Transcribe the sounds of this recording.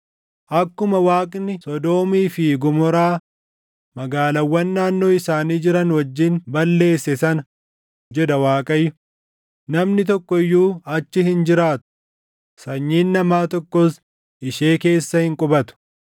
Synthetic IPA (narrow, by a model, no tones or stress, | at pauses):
ʔɐkːʊmɐwaːkʼnɪsɔd̪o̞ːmiːfɪɡʊmɔɾaː | mɐɡaːlɐwːɐnːaːnːo̞ːɪsaːniːd͡ʒɪɾɐnwɐd͡ʒːɪnbɐlːe̞ːsːɛsɐnɐ | d͡ʒɛd̪ɐwaːkʼɐjːʊ | nɐmnɪt̪ɔkːɔɪjːuːɐt͡ʃːɪhɪnd͡ʒɪɾaːt̪ʊ̥ | sɐɲːiːnːɐmaːt̪ɔkːos | ɪʃeːke̞ːsːɐhɪŋkʼʊbɐt̪ʊ̥